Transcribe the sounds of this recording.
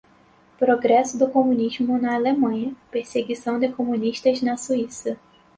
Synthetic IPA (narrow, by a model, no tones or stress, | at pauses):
pɾoɡɾɛsʊd̪ʊkomũniʒmʊnɐːlemɐ̃ɲɐpeɾseɡisɐ̃w̃d̪ɪkomũniʃt̪ɐznɐsuisɐ